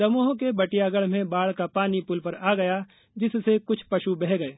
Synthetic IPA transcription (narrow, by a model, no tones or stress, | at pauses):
d̪ɐmoɦõkebɐʈijaːɡəɽmẽbaːɭkapaːnipʊlpɐɾaːɡɐja | d͡ʒɪsːekʊt͡ʃʰpɐʃubɛɦɡɐeː